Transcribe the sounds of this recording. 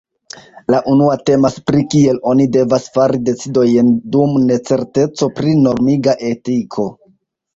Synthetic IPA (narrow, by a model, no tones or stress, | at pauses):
laʔunuate̞maspɾikie̞lo̞nide̞vasfaɾide̞t͡sido̞jndumne̞t͡se̞ɾte̞t͡so̞pɾino̞ɾmiɡaʔe̞tikʰo̞